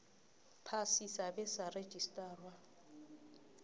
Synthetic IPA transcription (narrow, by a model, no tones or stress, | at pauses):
pʰasisabɛsare̥d͡ʒʱʼistʼaːrwa